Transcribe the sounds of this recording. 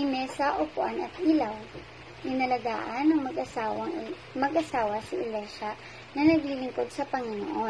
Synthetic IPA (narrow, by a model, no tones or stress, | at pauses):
ɐjmɛsɐʔokʊʔanɐt̪̚ʔilaw | ʔɪnɐlɐɡaːʔɐnːɐŋmɐɡʔɐsaːwɐŋ | mɐɡʔɐsaːwɐsɐʔɪlɛʃa | nɐnɐɡlɪlɪŋkod̪̚sɐpɐŋɪno̰ʔo